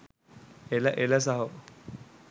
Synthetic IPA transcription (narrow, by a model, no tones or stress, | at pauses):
elaʔelas̬aɦo